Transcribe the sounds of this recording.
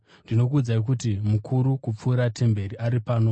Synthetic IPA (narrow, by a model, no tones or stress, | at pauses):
ndino̞k̬uːd͡zaik̬utimukʰuɾukup͡fuːɾatʰe̞mbe̞ɾiʔaɾipaːno̞